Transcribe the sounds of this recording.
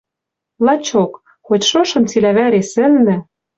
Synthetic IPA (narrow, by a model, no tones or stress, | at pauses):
lˠɑt͡ɕok | xotʲʃoʃɤ̆nt͡silæβæɾesɘ̆lnɘ̆